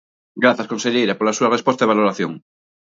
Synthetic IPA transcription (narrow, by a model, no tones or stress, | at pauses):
ɡɾaθaskonseʎejɾapolasuarespost̪aeβaloɾaθjõŋ